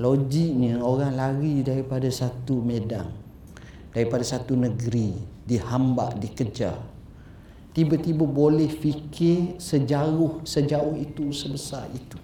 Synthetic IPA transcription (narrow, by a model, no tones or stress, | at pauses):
lod͡ʒik̚ɲəoɾaŋlaɾidaɾipadasat̪umeda̰ŋ | daɾipadasat̪unəɡɾidihamba̰ʔdikəd͡ʒa̰ | t̪ibat̪ibabolɛhfikɪrsəd͡ʒaʊhsəd͡ʒaʊhit̪usəbəsarit̪u̥